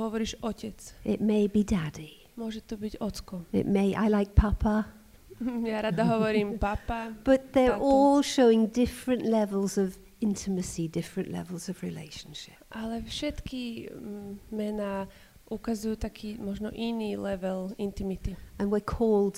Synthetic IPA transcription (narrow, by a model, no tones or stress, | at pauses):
ɦɔʋɔɾiːʒɔcɛt͡sʔɪt̚meɪbidædi | mʊɔʒɛt̪ɔbiɟɔt͡skɔɪ̰ʔ̚meɪʔa̰ɪlaɪk̚pʰɐpʰə | jaɾad̪aɦɔʋɔɾiːmpapab̥ʌt̪̚ðə˞ɔlˠʃoʊɪ̃ŋdɪfɹɨ̃nʔlɛvəl̩ˠzʌv | ɪ̃ntʰɨmɨsidɪfɹɨ̃nʔlɛ̰vəl̩ˠzʌvɹilḛɪʃə̃n̩ʃɪ̥p̚ʔalɛfʃɛt̪ki | mɛnaː | ʔukazujuːt̪akʰiːmɔʒnɔ̰ʔiniːlɛʋɛlint̪imit̪iə̃nwɪkʰɔːlˠd̥